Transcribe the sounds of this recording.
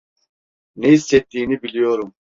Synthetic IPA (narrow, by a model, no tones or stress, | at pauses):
neisːɛt̪ʰːiːnibilʲijo̞ɾum